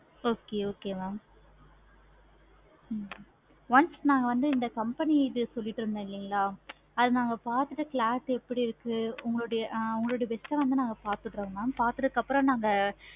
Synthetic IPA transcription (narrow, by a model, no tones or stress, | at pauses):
oːkeːoːkeːmaː | ʋɐnsnaːŋɡɐʋɐnd̪ɯɪnd̪ɐkɐmpɛniɪðɯsɔlːɪʈːɯɾɯnd̪ɐ̃ɪlːiːŋɡɐɭaː | ɐðɯnaːŋɡɐpaːɾt̪ɯʈːɯkɭaːʈːɛpːɐɽiɪɾɯkːɯʊŋɡɐɭoːɽɐjʊŋɡɐɭoːɽɐʋɛsʈɐ̃ʋɐnd̪ɯnaːŋɡɐpaːɾt̪ɯʈːɾõŋɡɐmaːpaːɾt̪ɯðɯkːɐpːɯɾɐ̃mnaːŋɡɐ